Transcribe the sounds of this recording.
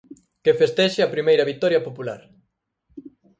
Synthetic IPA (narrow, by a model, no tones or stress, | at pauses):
kefest̪ɛʃeɐpɾimejɾɐβik̚t̪ɔɾjɐpopula̰ɾ